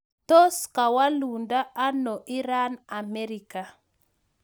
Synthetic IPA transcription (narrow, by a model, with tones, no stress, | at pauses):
to˦ska˨wa˦lu˨nda˦ʔa˦nɔ˨ʔi˦ɾa˦na˨mɛ˦ɾi˨ka˨